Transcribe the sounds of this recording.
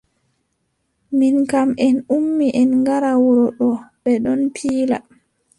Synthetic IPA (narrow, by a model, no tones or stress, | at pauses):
minkamɛnumːiʔɛnŋɡaɾawɔɾɔɗɔbɛɗɔnpʰiːla̰